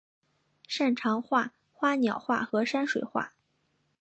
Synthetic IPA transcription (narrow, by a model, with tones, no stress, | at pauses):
ʂa˥˩nʈ͡ʂʰɑ˧˥ŋxwa˥˩ | xwa˥njɑ˨˩ʊxwa̰˥˩xɤ˧˥ʂa˥nʂwe˨˩ɪxwa̰˥˩